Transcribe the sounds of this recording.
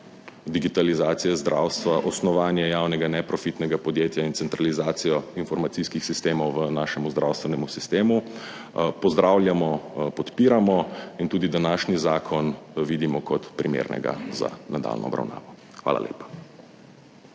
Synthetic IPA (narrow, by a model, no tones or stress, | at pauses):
d̪iɡit̪alizaːt̪sijɛzd̪ɾʔa̰wst̪ʋaʔɔsnɔʋaːnjɛjaːwnɛɡanɛpɾɔfit̪nɛɡapɔd̪jet̪jaint̪sɛnt̪ɾalizaːt̪sijɔinfɔɾmat̪siskixsist̪eːmɔwʋənaːʃɛmuzd̪ɾʔawst̪ʋɛnɛmusist̪eːmu | pɔzd̪ɾaːwlʲjamɔpɔt̪piːɾamɔint̪uːd̪id̪anaʃnizaːkʰɔnʋid̪imɔkɔt̪pɾimḛɾnɛ̰ɡa̰za̰nad̪a̰ːlnʔɔ̰ɔ̰bɾa̰wna̰ːʋɔ | xʋa̰la̰lḛːpḁ